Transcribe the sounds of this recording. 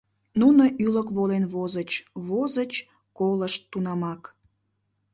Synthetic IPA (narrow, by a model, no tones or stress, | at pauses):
nunoʔyləkβolenβozət͡ɕβozət͡ɕ | koləʃt̪ːunɑmɑk